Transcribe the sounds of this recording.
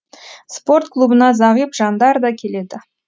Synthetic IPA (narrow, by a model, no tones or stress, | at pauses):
spo̞rt̪̚kʰlˠubənɑzɑʁijpʒɑnd̪ɑɾd̪ɑkʲʰe̞le̞d̪ɪ